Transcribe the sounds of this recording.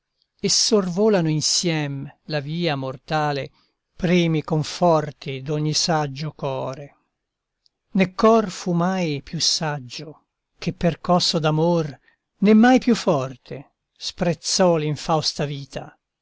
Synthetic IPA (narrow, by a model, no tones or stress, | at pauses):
esːorvoːlanoinsjɛmlaviːamort̪aːle | pɾiːmikoɱfɔrt̪id̪oɲːisad͡ʒːokɔːɾe | nekːɔrfumajpjusːad͡ʒːo | kepːerkɔsːod̪amor | nemːajpjufːɔrt̪ʰe | spɾet̪sːɔliɱfawst̪aviːt̪ʰa